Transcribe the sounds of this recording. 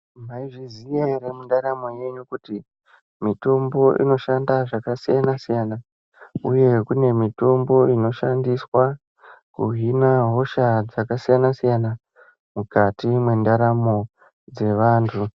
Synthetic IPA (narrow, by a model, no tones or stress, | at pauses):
maiʐizieɾemundaɾamo̞je̞ɲukuti | mito̞mbo̞ʔḭno̞ʃandaʐakasijanasijana | uje̞kune̞mito̞mbo̞ino̞ʃandiswa | kuɦinaɦo̞ʃad͡zakasijanasijana | mukatimwe̞ndaɾamo̞ | d͡ze̞ʋaːntʰu